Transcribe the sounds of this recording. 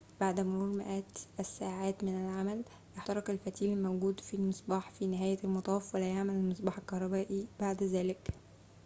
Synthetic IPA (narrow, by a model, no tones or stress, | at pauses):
baʕd̪mʊɾˤuːɾmɪ̰ʔæːt̪ʔæsːaːʕaːt̪mɪnælʕamæl | jeħt̪ɑɾˤɑkelfæt̪iːlɪlmæwɡuːd̪filmɨsˤbɑːħfiːnɪɦæːjælmɑt̪ˤɑːfwælæjaʕmælælmɨsˤbɑːħelkɑhɾˤɑbæːʔibaʕd̪æzæːlɪk